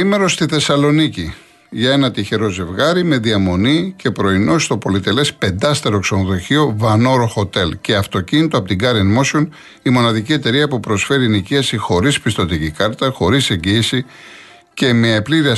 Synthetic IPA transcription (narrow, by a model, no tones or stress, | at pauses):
ime̞ɾo̞st̪iθe̞sɐlo̞nici | ʝɐe̞nɐt̪içe̞ɾo̞ze̞vɣɐɾime̞ðiɐmo̞nice̞pɾo̞ino̞ist̪o̞po̞lit̪e̞le̞spe̞nd̪ɐst̪eɾo̞kso̞noðo̞çio̞vɐno̞ɾoxo̞t̪e̞lce̞ɐft̪o̞cinit̪oɐpo̞t̪iɡɐɾinmo̞sio̞n | imo̞nɐðicie̞t̪e̞ɾiɐpupɾo̞sfe̞ɾiniciɐsixo̞ɾispist̪o̞t̪icikɐɾt̪ɐxo̞ɾise̞ɲɟiːsi | ce̞me̞epliɾiɐ